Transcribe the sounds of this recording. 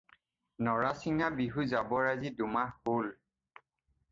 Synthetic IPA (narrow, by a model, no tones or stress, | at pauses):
nɔɹasiŋabiɦuzabɔɹazidumahol